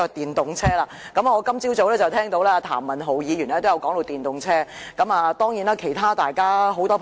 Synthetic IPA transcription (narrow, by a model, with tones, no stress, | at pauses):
ɔ˨˧t̪iː˨nt̪ʊ˨ŋt͡sʰɛː˥laː˧kɐ˨˦ma˨ɔː˨˧kɐ˥mt͡siː˥wt͡so˨˥wlɛː˥t͡sɐ˨wt̪ʰɛː˥ŋt̪o˨˥wlɛː˥aː˧t̪ʰa̰ː˨˩mːɐ˨˩nɦo˨˩wjiː˨˧jyː˨˩n˨ɛ˥t̪jɐ˨˧wkɔː˨˥ŋt̪o˨˧wt̪iː˨nt̪ʊ˨ŋt͡sʰɛː˥kɐ˨˥maː˨t̪ɔː˥ŋjiː˨˥naː˥kʰe˨˩jt̪ʰaː˥t̪aː˨jkaː˥ɦo˨˧˥wt̪ɔː˥pʰ